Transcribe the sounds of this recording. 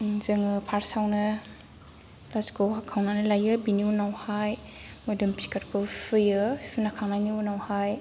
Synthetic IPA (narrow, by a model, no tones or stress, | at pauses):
zɯŋɯpʰaɾsawnɯ | laskowɦakʰawnanɯlajɯbiniunawhaj | mɐdɯmpi̥kaɾkʰɯsɯjɯsunakʰaŋnajniunawhaj